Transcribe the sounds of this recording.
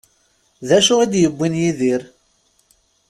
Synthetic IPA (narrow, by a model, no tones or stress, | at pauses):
ðæʃʊʁid̪jəbːinjiðiɾ